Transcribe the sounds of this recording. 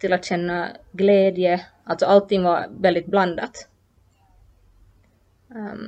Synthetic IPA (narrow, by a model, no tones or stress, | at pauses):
t̪ʰɪlat̪ɕɛnːɑɡleːd̪jəʔɑlsɔɑlt̪ʰːɪŋːʋɑɾʋɛld̪ɪt̪̚blɑnd̪ɑt̪